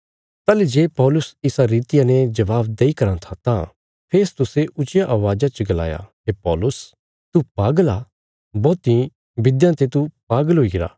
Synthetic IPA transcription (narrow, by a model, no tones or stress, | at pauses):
t̪aːlid͡ʒeːpɔːlʊsɪsaɾiːt̪ɪjanɛd͡ʒɐbaːbd̪eikɐɾãt̪ʰat̪ã | pʰeːst̪ʊseʔʊt͡ʃɪjaʔaːʋaːd͡ʒat͡ʃəɡɐla̰ːja̰ɦepɔːlʊs | t̪upaːɡəla | bɔːt̪ĩ | bɪd̪jãt̪et̪upaːɡəlɦoːiɡɪɾa̰ː